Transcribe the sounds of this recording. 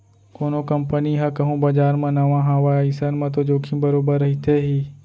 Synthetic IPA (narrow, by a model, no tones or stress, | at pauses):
koːnokəmpəniɦakɐɦũːbad͡ʒaːɾmãnɐʋãɦaʋaisənmãt̪̬od͡ʒoːkʰĩbəɾoːbəɾːɐɦit̪ʰeɦiː